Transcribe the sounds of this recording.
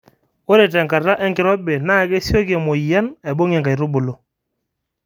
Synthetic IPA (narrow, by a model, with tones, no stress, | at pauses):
o˦ɾe˨tɛ˨ŋka˨ɾa˦ʔɛ˦ŋkɪ˨ɾɔ˦be˨naː˦˨˦ke˦si˦o˦kɛ˨mo˨i˨ja˦nɛ˨bo˦ŋɛ˨ŋɡa˨i˨ɾʊ˦bʊ˨lo˦